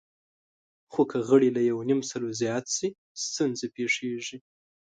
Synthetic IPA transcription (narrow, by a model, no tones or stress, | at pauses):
xokəɣəɽilajawnimsalozjɑt̪si | st̪unzepeʂeʐi